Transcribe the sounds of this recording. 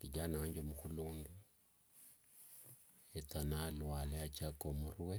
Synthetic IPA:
diɟanaɲd͡ʒemuxuluːndu | etanalwaleat͡ʃakomuruwe

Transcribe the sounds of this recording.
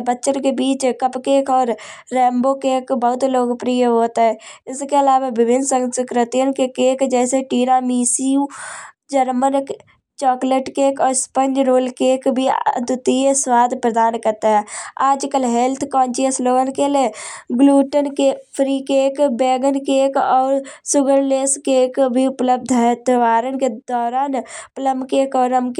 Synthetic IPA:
bətːʃənkebiːt͡ʃkəpkeːkɔːɾːɛ̃ːmboːkeːkbəɦʊt̪loːɡpɾijəɦoːt̪aɦɛːɪskeɐlaːʋaʋɪbʱɪnsə̃ŋskɾɪt̪ijənkekeːkd͡ʒɛːseʈiːɾaːmiːsiũ | d͡ʒəɾmənk | t͡ʃɔːkleʈkeːkɔːɾspə̃nd͡ʒɾoːlkeːkbʱid̪ʊt̪ieswaːd̪ʱpɾəd̪aːnkəɾt̪aɦɛːaːd͡ʒkəlɦelt̪ʰkɔ̃ːnt͡ʃiəsloːɡənkeleɡluːʈənkepʰɾiːkeːkbeːɡənkekɔːɾsʊɡəɾleːskeːkbʱiʊpləb̚d̪ʱɦɛt̪ʋaːɾənked̪ɔːɾaːnpləmkeːkɔːɾəmk

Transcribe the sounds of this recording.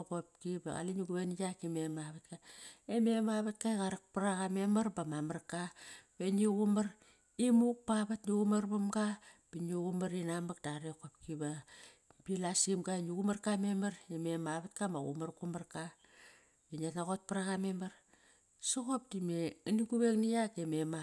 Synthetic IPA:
kop̚kiba̰ɣa̰linuɡuβenijakememaβat̚kaememaβat̚kajɣaɾak̚pɾaɣamemaɾbamamarkabeniɡumaɾ | imuk̚paβatnuɣumaɾbamɡab̥eniɣumaɾinamak̚d̥aɾekop̚kiba | bilasimɡaniɡumarkamemaɾememaβatkamaɣṵmaɾkumarka | inianaɣot̚paɾaɣamemaɾ | soɣop̚dimeɨniɡuβeŋnijakemema

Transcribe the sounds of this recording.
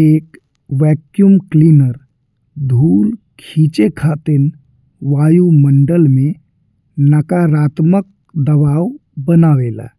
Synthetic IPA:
eːk | ʋɛːkjumkliːnəɾ | d̪ʱuːlkʰiːt͡ʃekʰaːt̪ɪn | ʋaːjumə̃ɳɖəlmẽ | nəkaɾaːt̪mək̚ | d̪əʋaːwbənaːʋeːla̰ː

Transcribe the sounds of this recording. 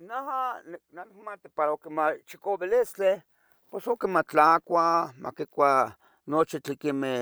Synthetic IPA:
nahaniknanɪk̚mat̪ipaɾaokemat͡ʃikobelist͡ɬe | pwesokemat͡ɬakʷamʔa̰kikʷa | not͡ʃit͡ɬikime

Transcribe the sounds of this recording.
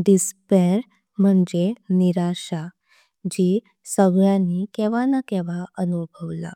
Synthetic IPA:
ɖispeɾ | m̤əɳd͡zeniɾaɕa | d͡ʑiː | səɡɭjãnːikeʋanakɛʋaʔənubʱəʋla̰

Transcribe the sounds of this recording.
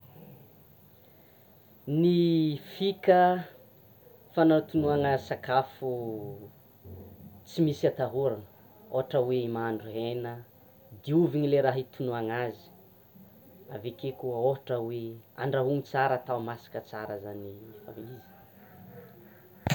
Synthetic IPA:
nifikə | fanant̪unuaŋasakafu | t͡simisiat̪aɦuɾanə | o̰ɦaʈ͡ʂəweimaɳɖ͡ʐuɦenə | d̪iuviɲileɾaɦit̪unuaŋazi̥ | avekekuəoɦaʈ͡ʂəwea̰ɳɖ͡ʐaɦuŋit͡saɾat̪aumasḁkət͡saɾəzanifa̰vilizi̥

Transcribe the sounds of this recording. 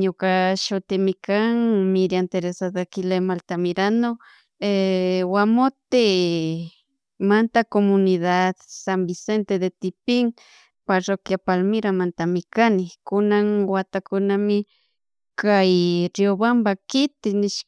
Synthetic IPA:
ɲokaʃʊt̪ɪmɪkaŋmɪɾjant̪eɾesad̪akɪlemalt̪amɪɾano | ewamot̪ɪ | mant̪akomʊnɪðad̪sambɪsent̪ed̪et̪ɪpɪŋ | paɾokjapalmɪɾamant̪amɪkanɪkʊnaŋwat̪akʊnamɪ | kajɾjobambakɪt̪ɪnɪʃ

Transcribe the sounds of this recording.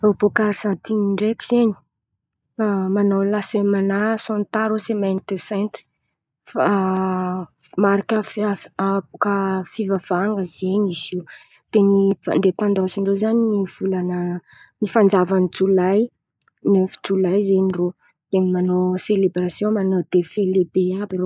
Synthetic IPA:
obokaɾsãnt̪iniɳɖ͡ʐekiz̥eɲi̥ | amanowlasəmanasont̪aɾosemɛnt̪esɛ̃nt̪ | fa | maɾakʲafapukəfivav̥aŋɡəzeɲiziw | t̪enind̪epɑ̃nd̪ɑ̃siɳɖ͡ʐozaniniv̥ulanə | nifand͡zavanit͡sulaj | nøfu̥t͡sulajzeɲiro | d̪̥emimanoselebɾasjõmanod̪̥efelebeabiɾo

